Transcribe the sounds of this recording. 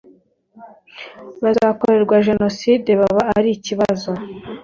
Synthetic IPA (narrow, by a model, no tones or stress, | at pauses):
βazaːkoɾe̞ɾɡwaʒe̞no̞side̞βaβaaɾiciβazo̞